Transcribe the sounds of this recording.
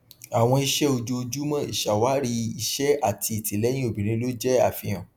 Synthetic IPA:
a˨w̃ɔ̃˧i˧ʃɛ˦o˧d͡ʒo˧˦o˧d͡ʒu˦mã˦ḭ˦˨ʃa˨wa˨˦ɾi˧˦i˧ʃɛ˦a˦˨tʰi˧i˨ti˨˦lɛ˨˦j̃ĩ˦o˨bĩ˨ɾ̃ĩ˦lo˦d͡ʒɛ˦a˦˨fĩ˧j̃ã˨

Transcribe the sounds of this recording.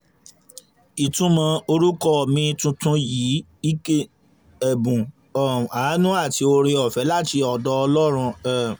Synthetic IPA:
i˨tũ˨˦mã˨˧o˧ɾu˦kɔ˦˨mĩ˧tũ˧tũ˧jiː˨˦ | i˦ke˦ | ɛ˨bũ˨ | ɔ˨a˨˦nũ˦a˦˨ti˧˦o˧ɾe˧ɔ˨fɛ˨˦la˦˨ti˧ɔ˧dɔ˧ɔ˧lɔ˦ɾ̃ũ˧ɛ˦˨

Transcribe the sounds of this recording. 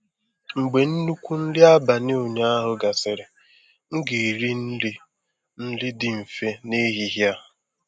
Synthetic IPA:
ŋ͡m̩˨ɡ͡be˨n̩˦nu˦kʷu˦n̩˦lɪ˦a˦ba˨ne˦o˨ɲa˦a˦ɦʊ˨ɡa˨sɪ˨ɾe˨ | ŋ̩˦ɡe˨ɾi˦n̩˦lɪ˦ | n̩˦lɪ˦dɪ˨m̩˨fe˦ne˦ɦi˦ɦja˦

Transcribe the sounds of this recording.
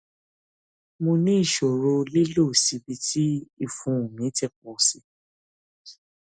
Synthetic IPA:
mo˧nĩ˦i˦˨ʃo˨ɾo˧le˦lo˦˨si˨˦bi˧tʰi˦i˦˨fũ˨˦˨mĩ˨˦tɛ˦˨k͡p̚ɔː˨si˧˦

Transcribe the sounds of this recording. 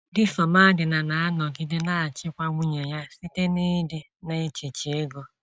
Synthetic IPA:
dɪ˦sɔ˨ma˦dɪ˨na˨na˨a˦nɔ˨ɡɪ˦dɪ˦na˦a˨t͡ʃɪ˦kʷa˦ŋʷʊ˦ɲe˨ja˦si˦te˦ni˦dɪ˦ | ne˦t͡ʃi˨t͡ʃi˨e˦ɡo˦

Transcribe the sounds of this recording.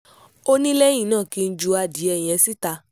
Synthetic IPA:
o˦nĩ˦lɛ˦j̃ĩ˦˨nãː˦˨ki˧n̩˦d͡ʒu˧a˧di˨˦ɛ˧˨j̃ɛ̃˧si˦ta˧

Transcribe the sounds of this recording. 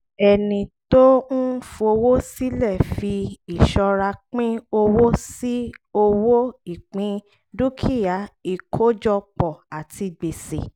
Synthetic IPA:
ɛ˨nĩ˨to˦n̩˦fu˧o˧wo˦si˦lɛ˦˨fi˧i˨ʃɔ˧ɾa˧k͡pĩ˦o˧wo˦si˦o˧wo˦i˦˨k͡pĩ˧˦ | du˦kʰi˦˨ja˨˦i˨kʰo˦d͡ʒɔ˧k͡pɔ˨a˨ti˧ɡ͡be˨sḛ˨

